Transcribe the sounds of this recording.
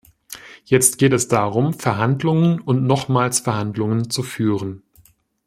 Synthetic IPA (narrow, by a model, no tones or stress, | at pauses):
jɛt͡stɡ̥eːtɛsd̥aːʁʊmfɛɐɦandlʊŋənʊntnɔχmaːlsfɛɐhandlʊŋənt͡sufyːʁən